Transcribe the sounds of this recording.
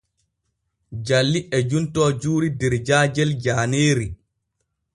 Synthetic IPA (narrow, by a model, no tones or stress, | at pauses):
d͡ʒalːiʔɛd͡ʒuntɔːd͡ʒuːɾidɛɾd͡ʒaːd͡ʒɛld͡ʒaːneːɾi